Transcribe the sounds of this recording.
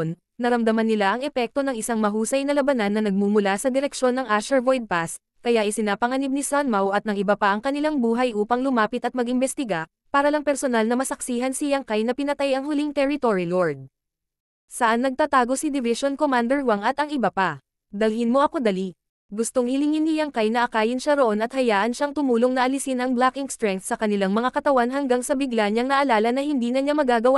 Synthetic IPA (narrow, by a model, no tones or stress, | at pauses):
n | nɐɾɐmd̪ɐmanːɪlaʔɐŋɛpɛk̚t̪o̞nɐŋʔɪsaŋmɐɦuːsɐjnɐlɐbɐnanːɐnɐɡ̚mumʊlasɐd̪ɪɾɛk̚ʃo̞nːɐŋʔaʃɛɹvojd̪̚pas | kɐjaʔɛsɪnaːpɐŋɐnib̚nisanmawʔɐt̪nɐŋʔɪbɐpaʔɐŋkɐnɪlaŋbuːɦɐjʔuːpɐŋlʊmaːpɪt̪ɐt̪̚mɐɡʔɪmbɛst̪ɪɡa | paːɾɐlɐŋpɛɾsonalnɐmɐsɐksiːɦɐnsɪjɐŋkajnɐpɪnɐt̪ajɐŋhʊliŋt̪ɛɹɪt̪oɹiloɹd̪̚ | sɐʔanːɐɡ̚t̪aːt̪aːɡo̞sid̪ɪvɪʃonkomand̪ɛɹwaŋɐt̪ɐŋʔɪbapɐ | d̪ɐlhɪnmo̞ʔɐko̞d̪ɐli | ɡʊst̪oŋhɪlɪŋɪnːɪjɐŋkajnɐʔɐkaːjɪnʃaɾoʔo̞nɐt̪hɐjaːʔɐnʃaŋt̪ʊmuːloŋnɐʔɐlɪsɪnɐŋblakɪŋst̪ɾɛŋk̚t̪sɐkɐnɪlaŋmɐŋakɐt̪ɐwanɦɐŋɡaŋsɐbɪɡlaɲaŋnɐʔɐlaːlɐnɐhɪnd̪iːnɐɲamɐɡaːɡɐwa